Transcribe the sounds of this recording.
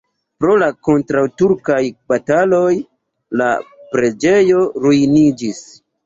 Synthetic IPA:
pɾo̞lako̞ntɾawtuɾkajbatalo̞j | la̰pɾe̞d͡ʒe̞jo̞ɾujnid͡ʒis

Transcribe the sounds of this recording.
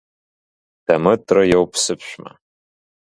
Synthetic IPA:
d̥amɨdʰrɨjowpʰsɨpʰʃᶣʷma̰

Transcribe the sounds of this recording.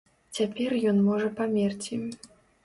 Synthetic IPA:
t͡sʲapʲɛrjɔnmɔʐɐpamʲɛrt͡sʲi

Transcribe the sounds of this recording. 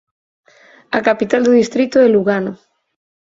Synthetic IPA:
akapit̪ald̪uðist̪ɾit̪oeluɣano

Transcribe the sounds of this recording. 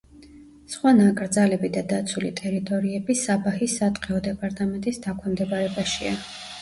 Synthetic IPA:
sχwanakʼɾd̪zalɛbid̪ad̪at̪sʰulḭt̪ʼɛɾit̪ʼɔɾiɛbisabahisːat̪ʼqʼɛɔd̪ɛpʼaɾt̪ʼamɛnt̪ʼisd̪akʰɛmd̪ɛbaɾɛbaʃia

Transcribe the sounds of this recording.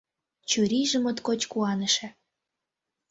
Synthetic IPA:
t͡ɕuɾiʒə̆mot̪kot͡ɕkuɑnə̆ʃæ

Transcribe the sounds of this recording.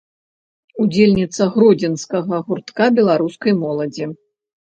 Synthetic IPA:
ud͡zʲelʲnʲit̪sɐɣɾɔd͡zʲɛnskɐɣɐɣurt̪kabʲɛlˠaɾuskɐjmɔlˠɐd͡zʲi

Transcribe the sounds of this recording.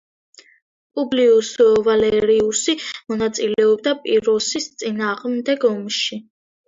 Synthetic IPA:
pʼubliusɔvalɛɾiusimɔnat̪sʼilɛɔbd̪apʼiɾɔsist̪sʼinaːʁmd̪ɛɡɔmʃi

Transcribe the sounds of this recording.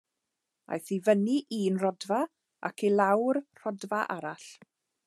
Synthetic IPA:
a̰jθivəniʔiːnrɔdva | ʔa̰kʰilˠawrr̥ɔdvaʔaɾaɬ

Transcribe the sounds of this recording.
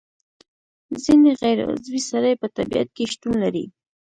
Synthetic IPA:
zineɣajɾa̰zwisaɾajpət̪abija̰t̪̚keʃt̪unlaɾḭ

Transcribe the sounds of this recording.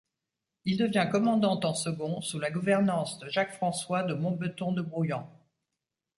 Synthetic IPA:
ild̪əvjɛ̃kɔmɑ̃d̪ɑ̃t̪ɑ̃səɡɔ̃sulaɡuvɛʁnɑ̃sd̪əʒakfχɑ̃swad̪əmɔ̃bət̪ɔ̃d̪əbʁujɑ̃

